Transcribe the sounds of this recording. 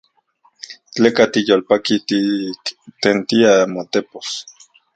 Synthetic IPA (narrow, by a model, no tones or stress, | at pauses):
t͡ɬeːkat̪ijolpakit̪i | t̪ent̪iamot̪epos